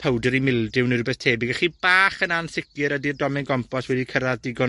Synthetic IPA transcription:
pʰəwdəɾimɪlˠdɪwnirubɛθtʰeːbɪɡaχiːb̥aːχənanθɪkɨɾədidɔmɛnɡɔmpʰɔswɛdikʰəɾaðdɪɡɔ

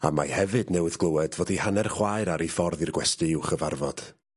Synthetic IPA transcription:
a̰mahɛvɨdnɛwɨðɡlˠəwɛdvɔːdihanɛrχwaɨɾaɾifɔrðirɡwɛstɨuwχəvarvɔd̥

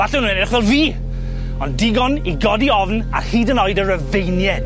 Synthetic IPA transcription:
vaɬɛnũnɛrɪχvɛlˠviː | ɔndɪɡɔniɡɔdiɔvna̰rhiːdənɔɨdərəvejnjɛn

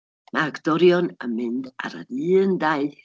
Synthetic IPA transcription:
mʔaɡdɔɾjɔnəmɨnda̰ɾə̰dɨːndaɨ

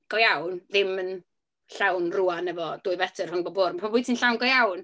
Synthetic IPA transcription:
ɡ̥ɔjawnðɪmən | ɬawnruanɛvɔd̥ʊɨvɛtʰɪr̥hʊnbɔboːrmpʰambʊːtʰiːnɬawnɡɔjawn

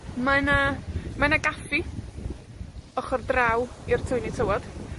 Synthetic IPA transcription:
manamanaɡafi | ɔχɔrdrawir̥tʰʊjnitʰəwɔd̥

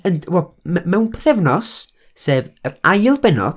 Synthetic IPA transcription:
ənwɛlˠmɛmɛwnpʰɛ̥θɛvnɔs | seːvəɾajlˠbɛnɔ̰

